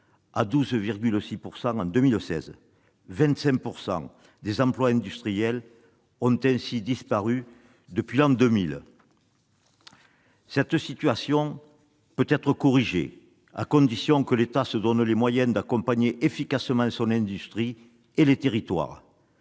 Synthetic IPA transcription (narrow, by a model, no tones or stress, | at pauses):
ad̪uzviʁɡʲylsipuʁsɑ̃ɑ̃d̪əmilsɛ̰z | vɛ̃nt̪sɛ̃kpuʁsɑ̰̃ | d̪ezɑ̃plwaɛ̃nd̪yst̪χijɛl | ɔ̃nt̪ɛ̃sid̪ispaʁy | d̪əpɥilɑ̃d̪əmil | sɛt̪sit̪yasjɔ̃ | pøt̪ɛt̪χəkɔʁiʒḛ | a̰kɔ̃d̪isjɔ̃kəlet̪asəd̪ɔnlemwajɛ̃d̪akɔ̃mpaɲeʔefikasəmɑ̃sɔ̃nɛ̃nd̪yst̪χi | elet̪eʁit̪wa̰ʁ